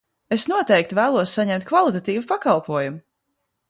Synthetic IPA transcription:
esnuɔt̪ɛjk̚t̪væːlˠuɔsːaɲɛmt̪̚kvalˠit̪at̪iːvupakalˠpuɔjumu

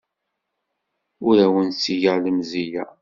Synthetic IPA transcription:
ʊɾæwənsiʝəʁləmzijæ

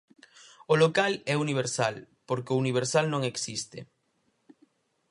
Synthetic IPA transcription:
olokalɛuniβ̞eɾsal | poɾkeouniβ̞eɾsalnõŋeksist̪ḛ

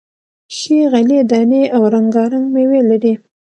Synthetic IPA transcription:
ʃiɣaled̪ɑneawɾaŋɡɑɾaŋɡmewelaɾi

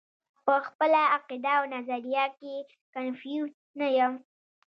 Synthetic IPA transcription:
pəxpəlaːqid̪aawnazaɾijake | kanfjuz | najəm

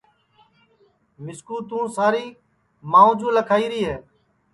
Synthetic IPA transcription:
mɪskuːt̪ũːsaːɾiː | maːũːd͡ʒũːləkʰaːiːɾiːɦɛː

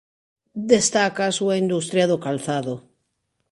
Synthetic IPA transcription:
d̪est̪akasuaind̪ust̪ɾjaðokalθaðo

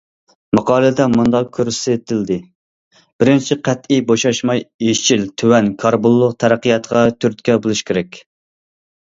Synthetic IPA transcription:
mɑqɑːlˠɨd̪ɛmund̪ɑq̚kʲʰøɾsɪt̪ʰɪld̪ɪ | b̥ɪɾɪnt͡ʃʰiqʰæt̪iboʃɑʃmɑjet͡ʃʰilt̪ʰywɛnkʰɑɾbolˠːʊq̚t̪ʰæɾæqəjɑt̪ʁɑt̪ʰyɾt̪kʲɛbolˠuʃkʲʰeɾɛkʲ

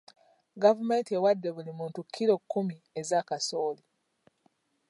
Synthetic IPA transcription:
ɡavume̞ːntiewadːe̞βulimuːntukʰːiɾo̞kʰːumiezakasoːli

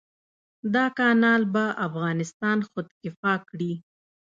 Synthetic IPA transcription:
d̪ɑkɑnɑlbaʔafɣɑnɪst̪ɑnxʊd̪kɪfɑkɽi

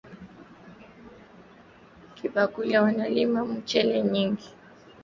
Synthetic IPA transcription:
kʰiɓakulawanalimamut͡ʃɛlɛɲiŋɡi

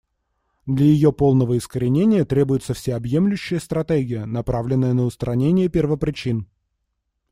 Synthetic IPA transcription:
d̪lʲəjɪjo̞po̞lˠnəvəɪskəɾʲɪnʲenʲɪjət̪ɾʲe̞bʊjɪt̪səfsʲeɐbje̞mlʲʉɕːɪjəst̪ɾɐt̪eɡʲɪjənɐpɾavlʲɪnːəjənəʊst̪ɾɐnʲenʲɪjəpʲɪrvəpɾʲɪt͡ɕin

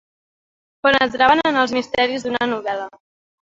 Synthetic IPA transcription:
ponəzɾaβənənəlˠzmist̪ɛɾizd̪unənuβɛlə

